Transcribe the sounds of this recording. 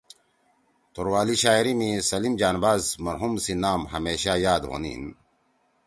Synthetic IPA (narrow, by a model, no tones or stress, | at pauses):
t̪oɾwaːliɕaːiɾimisɐlimd͡ʑaːnbaːzmɐɾɦumsinaːmɦɐmeːɕajaːd̪ʁo̰nḭːn